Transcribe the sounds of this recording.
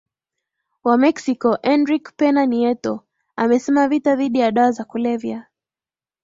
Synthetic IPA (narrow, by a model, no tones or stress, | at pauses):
wamɛksikɔʔɛnɾikpɛnaniɛtɔ | amɛsɛmavitaðiɗijaɗawazakulɛvja